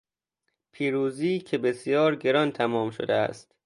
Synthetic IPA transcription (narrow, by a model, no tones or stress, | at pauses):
pʰiːɾuːziːcʰe̞besjɒːɾɟe̞ɾɒnt̪ʰæmɒːmʃo̰d̪eæ̰st̪